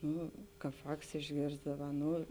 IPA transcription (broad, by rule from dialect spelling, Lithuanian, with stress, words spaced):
ˈnʊ ˈkɑːp ˈʋɑːks ɪʒʲˈɡʲeːrzdɐʋɐ ˈnʊ